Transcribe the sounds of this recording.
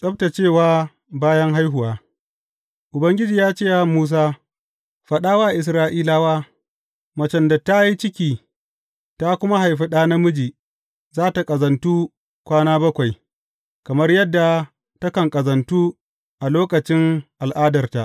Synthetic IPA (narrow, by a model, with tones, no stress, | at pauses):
sʼɐ˦bta˨t͡ʃeː˦˨waː˦ | baː˦jɐ˦ŋɦa˦jɦʊ˨waː˦ | ʔʊ˨bɐ˦ŋɡʲɪ˦d͡ʒiː˨jaː˦t͡ʃeː˦a˦muː˦s̬aː˦ | ɸɐ˨ɗaː˦waː˦ʔɪ˨s̬ɾaː˦ʔiː˦laː˦waː˦ | mɐ˨t͡ʃɛ˦nda˨ta˦ji˦t͡ʃɪ˦kʲiː˨ | ta˦kʷʊ˦ma˦ha˨jɸi˦ɗaː˦na˦mʊ˦d͡ʒiː˨ | zaː˦ta˨kʼɐ˨zɐ˨ntuː˦ | kʷaː˦naː˦bɐ˦kʷa˨j | kɐ˨mɐ˦rjɐ˦dːa˨ | tɐ˦kɐ˨ŋkʼɐ˨zɐ˨ntuː˦ | ʔa˨loː˦kɐ˨t͡ʃɪ˦ŋʔa˨lʔaː˦dɐ˨rta˨ʔ